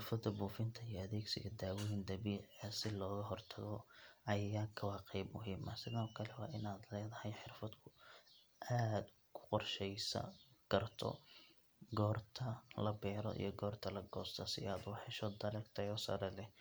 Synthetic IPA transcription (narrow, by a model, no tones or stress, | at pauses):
ħɪrfɐd̪ɐbuːfɪnt̪ʰɐijɐɐðeːɡsɪɣɐd̪aːwɔjɪnd̪ɐβiːʕɣɐsɪlɔːɣɐɦɔrt̪ʰɐɣɔɐjaːkʰɐwɑːqibmʊɦiːmɐ̰sɪðɐkʰɐlɛwɑːɪnaːd̪lɛːðɐhɛjħɪrfɐd̪kʰʊ | ʔaːd̪ | kʰʊ̥qɔrʃɛjsɐ̰ɡ̥ɐrt̪ʰɔ̰ | ɡɔːrt̪ʰɐlɐbɛːɾɔ̰ʔḭjɞɡɔːrt̪ʰɐlɐɡɔːst̪ʰɐsɪ̰aːd̪wɑħɛʃɔd̪ɐlɛkt̪ʰɐjɔsɐ̰ɾɛlɛh